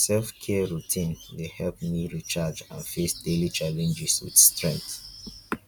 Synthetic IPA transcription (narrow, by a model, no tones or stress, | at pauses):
sɛlfkʰɛəɹutʰĩnlehɛlp̚miɹit͡ʃad͡ʒã̰nfesdelit͡ʃalɛ̃nd͡ʒiswḭdstɹɛ̃ŋ̚t